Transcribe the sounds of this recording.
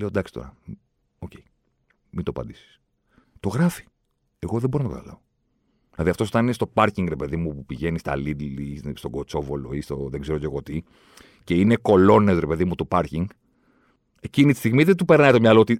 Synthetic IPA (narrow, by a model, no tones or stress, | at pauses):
leod̪ɐksi̥t̪o̞̰ɾɐ | oce̞i | mit̪oɐpɐ̰nd̪isi̥s | t̪o̞ɣɾɐfi̥ | e̞ɣo̞ðeboontokɐ̰t̪ɐ̰lɐo | ðilɐðiɐft̪oso̞t̪ɐninest̪o̞pɐɾciŋɡɾepe̞ðimupupiʝe̞nist̪ɐ̰lid̪list̪o̞ɡo̞t͡so̞vo̞lo̞̰ist̪oðeɡze̞ɾo̞ce̞ɣo̞t̪i | ce̞ine̞ko̞lo̞nesɾe̞pe̞ðimut̪upɐɾciŋɡ | e̞cinit̪i̥st̪iɣmiðet̪upe̞ɾnɐit̪omɲɐloot̪i